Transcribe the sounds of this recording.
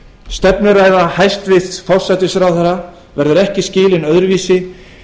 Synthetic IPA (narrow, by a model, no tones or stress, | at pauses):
st̪ɛpnʏɾaːjðahajst̪vɪθt̪falsajt̪ɪsɾawθɛɾa | vɛɾðʏɾɛhcɪscɪːlɪnœðɾʏviːsɪ